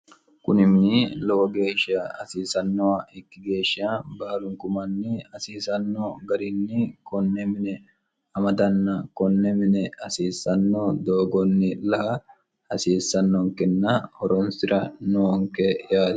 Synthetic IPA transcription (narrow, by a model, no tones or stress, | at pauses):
kʊnɪmnɪlɔwɐɡe̞ːʃɐɐsiːsɐnːɔwɐʔɛkːɪɡe̞ːʃːɐbaːlʊŋkʊmɐnːɪɐsiːsɐnːoɡɐɾɪnːɪkɔnːɛmɪnɛ | ɐmɐd̪ɐnːɐkɔnːɛmɪnɛɐsiːsːɐnːod̪oːɡɔnːɪlɐhɐ | ɐsiːsːɐnːɔŋkɛnːɐhɔɾɔnsɪɾɐnoːŋkɛjaːd̪